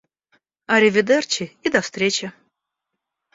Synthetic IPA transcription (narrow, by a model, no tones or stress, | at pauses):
ɐɾʲɪvʲɪd̪ert͡ɕɪid̪ɐfst̪ɾʲet͡ɕɪ